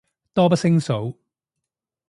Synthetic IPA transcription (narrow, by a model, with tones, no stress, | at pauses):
t̪ɔː˥pɐ˥sɪ˥ŋso˨˥w